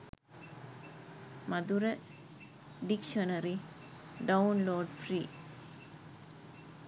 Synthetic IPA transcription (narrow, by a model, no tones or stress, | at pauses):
mɐd̪uɾɐ | ɖikʂɐnɐɾi | ɖɐunloːɖfriː